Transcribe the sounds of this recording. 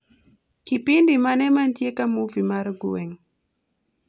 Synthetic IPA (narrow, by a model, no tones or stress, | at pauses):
kipindimanɛmantiekamuvimaɾɡuwɛŋ